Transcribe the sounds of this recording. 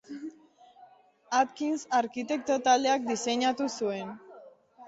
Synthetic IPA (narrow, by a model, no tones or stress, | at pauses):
at̪̚kinsaɾkit̪e̞k̚t̪o̞t̪ald̪e̞ak̚d̪ise̞ɲat̪usue̞n